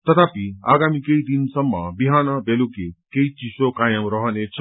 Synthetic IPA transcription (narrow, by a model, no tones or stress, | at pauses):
t̪ʌt̪ʰapiaːɡamikeid̪insʌmːabiɦaːnɔbelukekeit͡ʃisokajəmɾɔɦənet͡ʃʰʌ